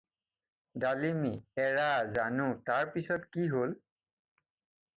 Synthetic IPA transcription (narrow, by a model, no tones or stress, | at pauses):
dalimiɛɹazanʊ̃taɹpisɔtkiɦol